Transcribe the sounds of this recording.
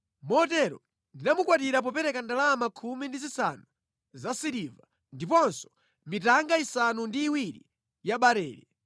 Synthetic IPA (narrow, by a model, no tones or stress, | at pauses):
mɔtɛɾɔ̰ | ndinamukwat̬iɾap̬ɔpɛɾɛkandalamakʰumindizisanu | zasiɾiva | ndipɔnsɔ̥ | mitaŋɡaisanundiːwiɾḭ | jaɓaɾɛːɾi